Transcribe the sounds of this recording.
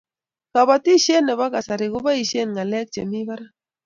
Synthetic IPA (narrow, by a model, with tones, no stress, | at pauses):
ka˨ba˨ti˦ʃe˦nɛ˨βa˦ka˨sa˨ɾɪ˨ɣʊ˦ba˦i˨ʃe˦nŋa˨lɛ˦k̚t͡ʃḛ˨mi˦ba˦ɾa˦